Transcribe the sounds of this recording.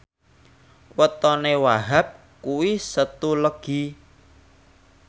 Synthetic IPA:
wət̪ɔnewaɦap̚ | kuwisət̪uləɡ̥i̤

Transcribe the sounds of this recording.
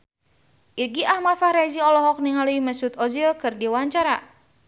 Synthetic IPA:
ʔiɡiʔahmat̪fahɾaziɔlɔɦɔk̚niŋɦaluiməsut̪ɔzilkɨrdiwaɲt͡ʃaɾa

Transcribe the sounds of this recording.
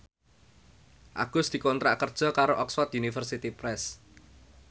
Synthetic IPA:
ʔa̰ɡ̥ʊsd̪̥i̤kont̪ɾa̰ʔkərd̥ʒ̥ɔ̤kaɾoʔɔkswɔt̪unifərsit̪ipɾɛs

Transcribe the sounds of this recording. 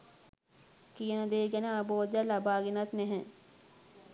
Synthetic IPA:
kijənəd̪eːɡænəaboːd̪jalabaːɡenat̪nɛɦɛ̃

